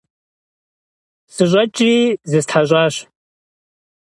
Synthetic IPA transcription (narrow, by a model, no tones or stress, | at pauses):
sɨɕʷʼɐt͡ʃʼiːzɨstʰħaɕʷʼaːɕ